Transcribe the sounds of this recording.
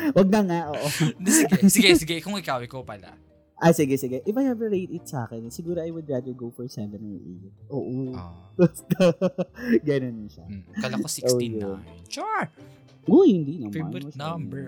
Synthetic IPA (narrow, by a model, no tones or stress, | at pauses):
wɐɡ̚nɐŋaʔoːʔoɡsɪɡɛsɪɡɛkʊŋɪkaːwɪkopala̰ | ʔasɪɡɛsɪɡɛʔɪfajhɛvəɹejd̪ɪt̪̚sɐʔa̰ːkɛnsɪɡuːɾoʔajwʊd̪ɹad̪əɹɡofɔɹsɛvɛnoʔḛt̪̚ʔoːʔo | ɡɐnonʃa̰kalosʔoːjont͡ʃo | ʔohɪnd̪inɐmaɐsm